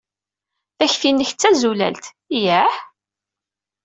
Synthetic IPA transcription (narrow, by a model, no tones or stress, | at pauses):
θæçfinːəçt͡sːæzulæ̰lt̪ | jæħ